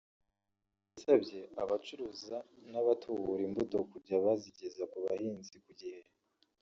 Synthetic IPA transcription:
isabɟe̞aβat͡ʃuɾuzanaβatʰuβuɾimbuto̞kuɾɟaβaziɟe̞zakuβahiːnzikuɟihe

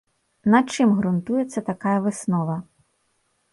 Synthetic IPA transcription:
nɐt͡ʃɪmɦɾʊnt̪ujet͡sʲːɐt̪ɐkɑjɐʋɪsnɔʋɐ

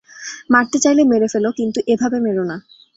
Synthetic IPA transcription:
maɾt̪et͡ɕajlemeɾefelokint̪uʔebʱabemeɾona

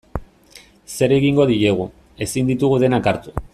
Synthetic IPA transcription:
se̞ɾe̞ɣiŋɡo̞ðiɾe̞ɣ̞u | e̞sind̪it̪uɣ̞uðe̞nakaɾt̪u̥

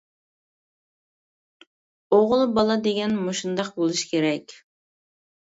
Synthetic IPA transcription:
oʁlˠbɑlˠɑd̪eɡʲɛnmoʃund̪ɑq̚bolˠuʃkʲʰeɾɛkʲ

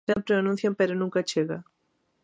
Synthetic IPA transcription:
ampɾeanũn̟θjampeɾonũŋkat͡ʃeɣa

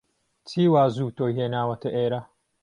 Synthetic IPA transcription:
t͡siːwaːzuːtoɦeːnaːwɐtɐʔeːɾa

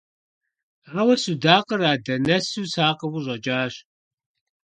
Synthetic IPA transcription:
rɐwɐsudaːqəraːdɐnɐsuːsaːqəwʷʊʑʷʼɐd͡ʒaːɕ

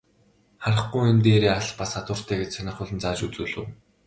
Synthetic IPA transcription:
χaɾə̆χɡujʊnt̪eːɾeːaɮpasat̪ʊːr̥t̪ʰæːɡet͡ɕsanʲɪ̆χʊɮɘ̆nt͡saːt͡ɕut͡suːɮɘ̰̆w

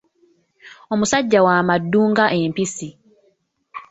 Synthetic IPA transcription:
omusaɟːawaːmadːuːŋɡaʔempisi

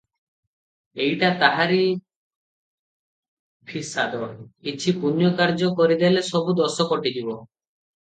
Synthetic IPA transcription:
ejʈat̪aɦaɾi | pʰisad̪ɔkit͡ʃʰipunjɔkaɾd͡ʒɔkɔɾid̪elesɔbud̪ɔsɔkɔʈid͡ʒibɔ

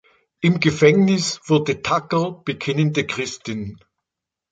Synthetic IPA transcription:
ʔɪmɡəfɛŋnɪsv̥ʊɐdətʰakəb̥əkʰɪnəndəkʁ̥ɪstɪn

